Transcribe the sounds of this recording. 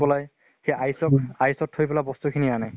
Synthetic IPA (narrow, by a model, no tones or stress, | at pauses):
pɔlaj | xejʔajsɔkajsɔtʰːojpɛlabɔst̪ukʰinianaj